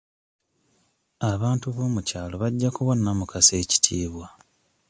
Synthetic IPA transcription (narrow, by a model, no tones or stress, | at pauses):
aβaːntuβoːmucaːlo̞βaɟːakuβo̞nːamukase̞ːci̥tʰiːβwa